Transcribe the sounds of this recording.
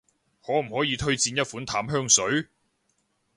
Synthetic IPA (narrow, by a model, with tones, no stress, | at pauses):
hɔː˨˥m̩˨˩hɔː˨˥jiː˨˧t̪ʰɵ˥ɥt͡siː˧njɐ˥t̚fuː˨˥nt̪ʰaː˨˥mɦœː˥ŋsɵ˨˥ɥ